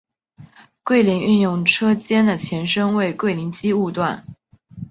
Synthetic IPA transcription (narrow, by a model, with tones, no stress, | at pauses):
kwe˥˩ɪli˧˥ŋy˥˧njʊ˥˩ŋʈ͡ʂʰɤ˥t͡ɕjɛ˥nd̪ə˨t͡ɕʰjɛ˧˥nʂɤ˥ŋwe˥˧ɪkwe˥˩ɪli˧˥ŋt͡ɕi˥u˥˧t̪wa˥˩n